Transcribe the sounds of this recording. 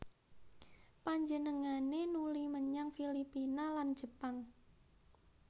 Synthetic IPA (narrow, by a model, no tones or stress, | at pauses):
paɲd͡ʒənəŋanenuliməɲaŋfilipinaland̥ʒ̥əpaŋ